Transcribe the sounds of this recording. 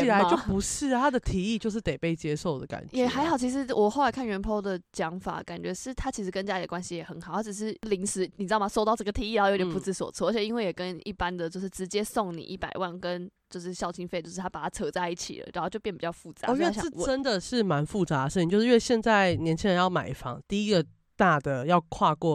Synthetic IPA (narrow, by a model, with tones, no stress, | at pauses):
la˧˦ɪt͡ɕjo˥˩ʊpu˧˥ʂɻ̩˥˩t̪ʰa˦˥d̪ə˨t̪ʰi˨˧˥i˥˧t͡ɕjo˥˧ʊʂ̬ɻ̩˥˩t̪e˨˩ɪpe˥˧ɪt͡ɕjɛ˦ʂo˥˩ʊd̪ə˩ka̰˨˩nt͡ɕɛ˨˩a˧˥ɪxɑ˨˩ʊt͡ɕʰi˧˥ʂ̬ɻ̩˧˥˦wʔɔ˨˩xo˥˩la˧˥ɪkʰa˥˩nɥɛ˧˥npʰo˥ʊd̪ə˨t͡ɕjɑ˧˥ŋfa̰˨˩ka̰˨˩nt͡ɕɥɛ˧˥ʂɻ̩˥˩t̪ʰa˥t͡ɕʰi˧˥ʂ̬ɻ̩˧˥kə˧˥nt͡ɕa˥li˨˩d̪ə˧wa˥nɕi˧jɛ˨˩xə˧˥nxɑ˨˩˦xʈ͡ʂ̩˨˩ʂ̬ɻ̩˥˩li˧˥ŋʂɻ̩˧˥ni˨˩ɻ̩˧˥˩ma˨˩so˥ʊt̪ɑ˥˧ʊʈ͡ʂɤ˥˩ɡə˩t̪ʰi˧˦i˥˩ɻjt̪ʲɛ˧˩pu˧˩˥t͡sɹ̩˥˧˩swɔ̰˨˩t͡sʰɤ˥˧ə˧˥t͡ɕʰɛ˨˩i˥nwe˥˩ɪjɛ˨˩kə˦ni˥˩pa˦nd̪ə˨t͡ɕjo˥˧ʊʂɻ̩˥˩ʈ͡ʂɻ̩˧˥t͡ɕjɛ˥so˥˩ŋnḭ˨˩ʔi˥˩pa̰˨˩ɪwa˥˩nkə˦˥nt͡ɕjo˥˧ʊʂɻ̩˥˩ɕjɑ˥˩ʊt͡ɕʰi˧˥nfe˥˧t͡ɕjo˥˧ʊʂ̩˥˩t̪ʰa˥pa˨˩t̪ʰa˥t͡sʰɤ˧˥t͡sa˥˧ɪi˥˩t͡ɕʰḭ˨˩lə̰˩ɻa˧˥nxo˥˧t͡ɕo˥˧pjnəpi˨˩t͡ɕɑ˥ʊfu˥˩t͡sa̰˨˥˧ɛ˥˧˥ʈ͡ʂə˦˥nd̪ə˨ʂɻ̩˥˩ma˧˦nfu˥˨t͡sa˧˥˧ʂ̩˥˩˨t͡ɕjo˥˧ʂ̩˥ɥe˥˧˩ɕjɛ˥˧nt͡sa˥˩ɪnjɛ˧˥nt͡ɕʰi˥ŋɻə˧˦njɑ˥˩ʊma˨˩ɪi˥fɑ̰˧˦ŋt̪i˥˩i˥ɡə˨ | t̪a˥˩d̪ə˩jɑ˥˧ʊkʰwa˥˧kwɔ˥˩